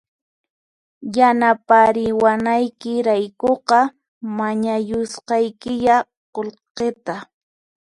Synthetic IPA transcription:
janapaɾɪwanajkɪɾajkoqɑ | maɲajʊsqɑjkɪʎa | qolqet̪a

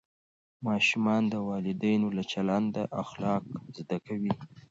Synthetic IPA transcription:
mɑʃumɑnd̪əwɑlɪd̪ajnolat͡ʃalɑnd̪əʔaxlɑkzd̪akawi

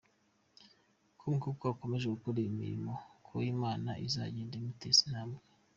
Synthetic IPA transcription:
kʰuŋkukoako̞me̞ʒeɡukuɾiimḭɾḭmokʰoiːmaːnaʔiza̰ɟeːndeimutesinaːmɡe

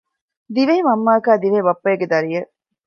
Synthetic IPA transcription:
d̪iʋeimɐmːaːkaːd̪iʋeːbɐpːɐjeɡed̪ɐɾijɐ

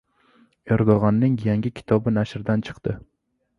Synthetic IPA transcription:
eɾd̪oʁɑnːɪŋjaŋɡʲɪkʲʰɪ̥t̪ʰɒbɪnaʃɾd̪ant͡ʃʰɨ̥qt̪ɪ

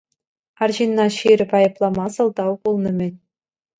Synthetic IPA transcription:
ɑrʑinːɑɕirʲɘ̆pɑjɤ̆plˠɑmɑsɤ̆lˠd̪ɑwkulˠnɤ̆mʲɘ̆nʲ

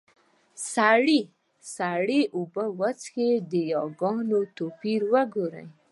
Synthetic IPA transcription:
saɽi | saɽiʔubəwat͡sxed̪əjɑɡɑnot̪opiɾwəɡoɾa̰j

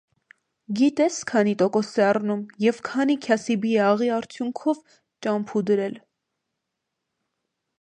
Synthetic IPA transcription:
ɡit̪ɛskʰɑnit̪ɔkɔsɛɑrnumjɛvkʰɑnikʰjɑsibiɛɑʁiɑɾt͡sʰjuŋkʰɔv | t͡ʃɑmpʰud̪əɾɛl

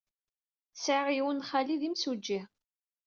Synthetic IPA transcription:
saʁiwənχaliðimsud͡ʒːih

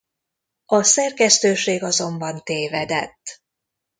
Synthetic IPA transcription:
ɒsɛrkɛst̪øːʃeːɡɒzo̞mbɒnt̪eːvɛd̪ɛt̪ː

